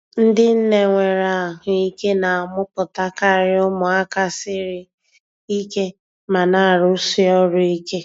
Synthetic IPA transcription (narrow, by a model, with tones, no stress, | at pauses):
n̩˦dɪ˦n̩˦ne˨ŋʷe˨ɾa˨a˨ɦʊ˨i˦ke˦na˨a˨mʊ˦pʊ˨ta˦ka˦˨ɾɪ˦ʊ˦mʊ˨a˦ka˦sɪ˦ɾɪ˦ | i˦ke˦ | ma˨na˨a˨ɾʊ˦si˦ɔ˦ɾʊ˦i˦ke˦